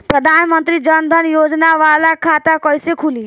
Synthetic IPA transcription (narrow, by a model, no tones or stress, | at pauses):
pɾəd̪ʱaːnmənt̪ɾid͡ʒənd̪ʱənjoːd͡ʒnaʋalakʰat̪akɔjsekʰuliː